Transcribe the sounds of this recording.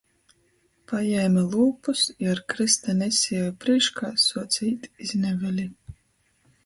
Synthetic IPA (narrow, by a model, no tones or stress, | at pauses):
pajɛːmalˠuːpusiaɾkɾist̪anʲɛsʲijɛjpɾiːʃkaːsuɔt̪sʲiːt̪iznʲɛvʲɛlʲi